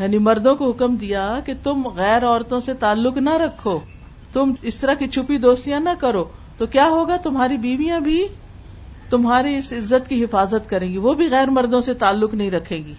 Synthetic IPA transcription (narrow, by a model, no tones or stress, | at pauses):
jaːnimɐɾd̪õkoɦʊkəmd̪ijaket̪ʊmɣɛːɾɔːɾt̪õset̪aːlːʊknɐɾɐkʰːoː | t̪ʊmɪst̪ɐɾakit͡ʃʰʊpid̪oːst̪ijãnɐkɐɾoːt̪okjaːɦoːɡat̪ʊmɦaːɾibiːʋijãbʱi | t̪ʊmɦaːɾiɪsɪzːət̪kiɦɪfaːzət̪kɐɾẽːɡiʋobʱiɣɛːɾmɐɾd̪õset̪aːlːʊknɐɦĩɾɐkʰẽːɡiː